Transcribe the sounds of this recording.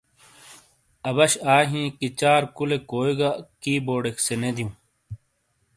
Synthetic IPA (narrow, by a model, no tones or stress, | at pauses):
ɐbɐɕaːɦĩːkit͡ɕaːɾkulekoːiɡakiːboːɖeksened̪ijũː